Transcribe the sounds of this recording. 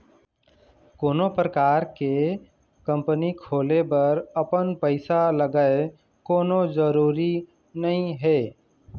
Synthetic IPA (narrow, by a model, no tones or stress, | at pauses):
koːnopɾəkaːɾke | kə̃mpənikʰoːlebəɾəpənpəɪsaləɡəe | koːnod͡ʒəɾuːɾi | nəɦĩɦe